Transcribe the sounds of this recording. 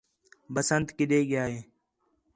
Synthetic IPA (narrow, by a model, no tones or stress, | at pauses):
bəsənt̪kɪɗeːɡɪjaːɦeː